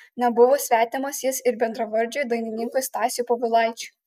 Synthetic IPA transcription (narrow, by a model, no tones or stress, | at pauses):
nʲɛbʊʋoːsʲʋʲæːt̪ʲɪmɐsjɪsɪɾbʲɛnd̪ɾɐʋɐɾʲd͡ʒʲojd̪ɐɪnʲɪnʲɪŋkost̪ɑːsʲɪjupoːʋʲɪlˠɐɪt͡ʃʲʊ